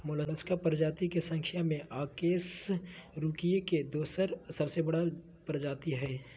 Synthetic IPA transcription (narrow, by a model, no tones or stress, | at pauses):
molənəskapəɾd͡ʒaːt̪ikesɐ̃ŋkʰɪjamẽʔaːkeːsɾuːkieked̪oːsəɾsɐbsebɐɽa | pəɾd͡ʒaːt̪iɦɛː